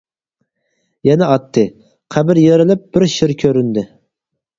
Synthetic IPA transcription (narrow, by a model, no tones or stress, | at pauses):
jɛnɛɑt̪ʰːɨ | qʰæbɪɾjeɾɪlɪp̚b̥ɪɾʃɪɾkʲʰøɾynd̪ɪ